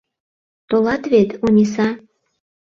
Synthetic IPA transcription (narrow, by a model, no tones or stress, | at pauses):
t̪olɑt̪βet̪unʲis̬ɑ